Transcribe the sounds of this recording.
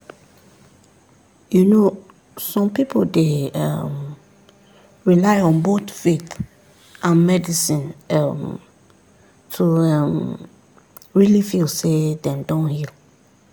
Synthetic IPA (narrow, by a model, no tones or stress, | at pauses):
juno | sɔ̃mpipoldeɛ̰m | ɹilaɪɔ̃nbotfet | ʔãnmɛdisĩnɛm | tʰuɛm | ɹilifilsedɛ̃mdɔ̃nhil